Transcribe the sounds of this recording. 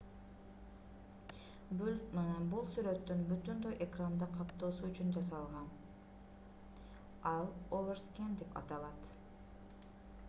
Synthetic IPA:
bmenbulˠsyɾø̞t̪ːynbyt̪ynd̪øjʔekrand̪ɑqʰɑpt̪o̞ːsuyt͡ʃynd͡ʒɑsɑlˠʁɑn | ɑlˠoveɾskʲend̪epʰɑ̰t̪ɑlˠɑt̪

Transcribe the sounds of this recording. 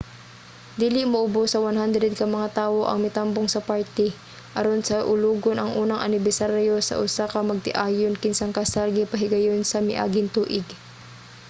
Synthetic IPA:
d̪iːlɪmɐʔʊbosɐwanɦand̪ɾɛd̪̚kɐmɐŋat̪aːwoʔɐ̰ŋmɪt̪amboŋsɐpaɹt̪ɛ | ʔɐɾonsɐʔʊluːɡonʔɐŋʔuːnɐŋʔɐ̰nɪbɛsaɾjosɐ̰ʔʊsakɐmɐɡ̚t̪ɪʔaːjonkɪnsaŋkɐsalɡipɐɦɪɡɐjonsɐmɪ̰ʔa̰ːɡɪnt̪uːʔɪɡ

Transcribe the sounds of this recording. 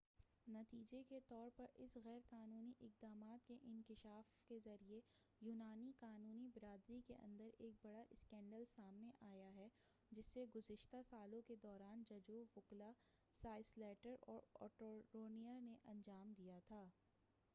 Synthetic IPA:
nɐt̪iːd͡ʒeket̪ɔːɾpɐɾɪsɣɛːɾkaːnuːniʔɪq̚d̪aːmaːt̪keʔɪ̃nkɪʃaːfkezɐɾiejuːnaːniqaːnuːnibɪɾaːd̪ɾikeʔɐ̰̃nd̪əɾeːk̚bɐɽaʔɪskɛ̃ːɳɖəlsaːmneʔaːjaɦɛ | d͡ʒɪsːeɡʊzɪʃt̪asaːlõked̪ɔːɾaːnd͡ʒɐd͡ʒoɣʊkla | saːɪslɛːʈəɾɔːɾɔ̰ːʈoɾoːnijaneʔɐ̃nd͡ʒaːmd̪ijat̪ʰaː

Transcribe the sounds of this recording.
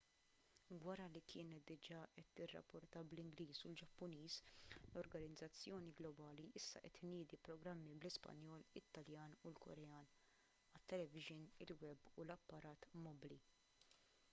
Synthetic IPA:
wɐɾɐlikʰɪːnɛt̪̚d̪ɪd͡ʒɐːʔɛt̪ːɪrːɐ̰pːɔɾt̪ɐblɪŋɡliːsuld͡ʒɐpːʊniːslɔɾɡɐnɪɪd͡zːɐt͡sːjɔːniɡlɔbɐːliʔɪsːɐ̰ʔɛt̪ːɪnɪːd̪ipɾɔɡɾɐmːiblɪspɐ̰njɔːlɪt̪ːɐljɐːnulkɔ̰ɾɛjɐːn | ɐt̪ːɛlɛvɪʒɪnɪ̰lwɛbːulɐpːɐɾɐːt̪mɔbli

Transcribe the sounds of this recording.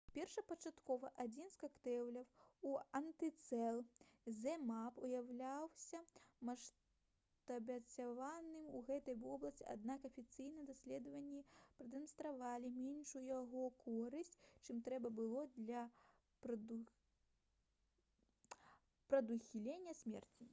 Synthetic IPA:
pʲɛrʂɐpɐt͡ʂat̪kɔvɐʔad͡zʲinskakt̪ɛwlʲɐwuɐnt̪ɨt̪sɛlˠzʲɛmapujawlʲawsʲɐmɐʂ | t̪ɐbʲɐt͡sʲavanɨmuɣɛt̪ɐjvɔblˠɐsʲt͡sʲia̰d̪̚nakɐfʲit̪sɨjnɨjɛd̪asʲlʲɛd̪ɐvɐnʲːipɾɨd̪ɛmɐnst̪ɾavalʲimʲɛnʂujjaɣɔkɔɾɨsʲt͡sʲt͡ʂɨmt̪ɾɛbɐbɨlˠɔd̪lʲɐ | p | pɾɐd̪uxʲilʲenʲːɐsʲmʲɛ̰rt͡sʲi

